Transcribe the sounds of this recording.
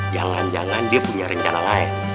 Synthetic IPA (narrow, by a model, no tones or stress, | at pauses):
d͡ʒaŋand͡ʒaŋandiapuɲaɾəɲt͡ʃanalaɛŋ